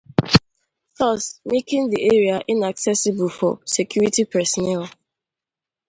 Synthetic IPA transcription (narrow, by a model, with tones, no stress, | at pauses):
θɔ˦sme˦kɪ̃ŋdi˨e˦ɹi˨a˨ʔi˨na˨ksɛ˦si˨bu˨lfɔ̰˨se˨kju˦ɹi˦ti˦pɛsɔ˨nɛ˦l